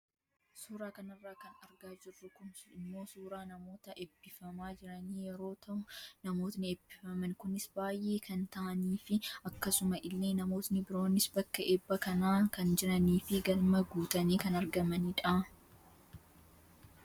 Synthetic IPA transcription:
suːɾaːkɐnɐrːaːkɐnɐɾɡaːd͡ʒɪrːʊkʊnɪmːo̞ːsuːɾaːnɐmo̞ːt̪ɐʔɛbːɪfɐmaːd͡ʒɪɾɐniːjɛɾo̞ːt̪ɐnɐmo̞ːt̪nɪɛbːɪfɐmɐnkʊnɪsbaːjʔe̞ːkɐnt̪ɐʔɐniːfɪɐkːɐsʊmɐʔɪlːeːnɐmo̞ːt̪nɪbɪɾo̞ːnːɪsbɐkːɐʔeːbːɐkɐnaːkɐnd͡ʒɪɾɐniːfɪɡɐlmɐɡuːt̪ɐniːkɐnɐɾɡɐmɐniᶑaː

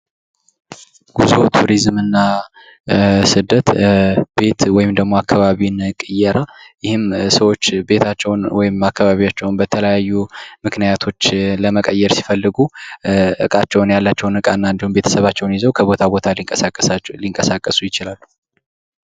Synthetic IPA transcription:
ɡ̥uzot̪ʰuɾizmɨnːa | sɨd̪ːət̪be̞t̪wɔjɪmd̪əɡmo̞akʰːaβaβinkʼɨjɛɾajɪhɪmsəwo̞t͡ʃːbe̞t̪ʰat͡ʃːɛwnwɔjɪmakːaβaβijat͡ʃːɛwnbət̪ʰələjajːumɨknijat̪ʰo̞t͡ʃːləməkʼəjːɛɾsi̥fəlːɨɡuʔɨkʼat͡ʃːɛwnjalːat͡ʃːɛwnɨkʼanːaɨnd̪ihumbe̞t̪ʰə̥səβat͡ʃːɛwnjizəwkʰəβo̞t̪ʰabo̞t̪ʰa | liŋkʼəsakʼːəsujɪt͡ʃɪlalːu̥

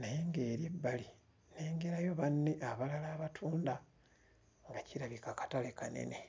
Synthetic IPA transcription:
najeŋɡe̞ːɾebːali | ne̞ːŋɡeɾajo̞βanːe̞ʔaβalalaːβatʰuːnda | ŋɡaciɾaβikakḁtalekane̞̰ne

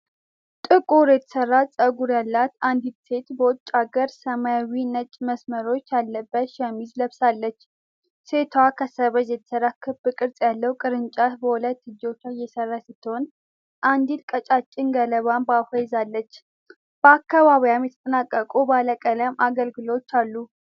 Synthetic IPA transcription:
t̪ʼɨkʼuɾjɛt̪ʰə̥sərːasʼəɡuɾjalːat̪and̪it̪se̞t̪bəwɔt͡ʃʼːaɡəɾsəmajawinət͡ʃʼməsməɾo̞t͡ʃːjalːəbːət̪ʃɛmizləβsalːət͡ʃː | se̞t̪ʰwakʰəsəβəd͡ʒjɛt̪ʰə̥sərːakʰːɨbɨkʼɨɾsʼjalːəwkʼɨɾɨnt͡ʃʼat̪bəwulət̪ːɨd͡ʒo̞t͡ʃːajɛsərːasɪt̪ʰːəhon | ʔand̪ilkʼət͡ʃʼat͡ʃʼːɪnɡələβambafajɪzalːət͡ʃː | b̥əakːaβaβijamjɛt̪ʰət̪ʼənakʼːəkʼubaləkʼələmaɡəlɡɨlowt͡ʃːalːu

